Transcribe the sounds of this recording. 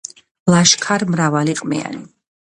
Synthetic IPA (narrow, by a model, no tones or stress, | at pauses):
lˠaʃkʰaɾmɾavaliqʼmḭa̰ni